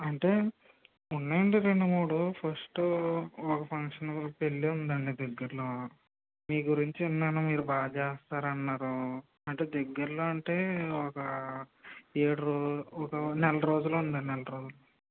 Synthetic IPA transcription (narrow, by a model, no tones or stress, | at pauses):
ɐɳʈe̞ː | unːaːjɐɳɖiɾe̞ɳɖumuːɽupʰɐsʈ | ɔkɐpʰɐŋkʂɐnpeɭːiund̪ɐɳɖid̪ɛɡːɐɾloː | miːɡuɾiɲt͡ʃiunːaːnumiːɾubaːd͡ʒeːst̪aːɾɐnːaːɾu | ɐɳʈe̞ːd̪ɛɡːɐɾlo̞ːɐɳʈe̞ːɔkɐ | eːɽuɾoɔkɐnɛlɐɾo̞ːd͡ʒulund̪ɐnɛlɐɾo̞ːd͡ʒulo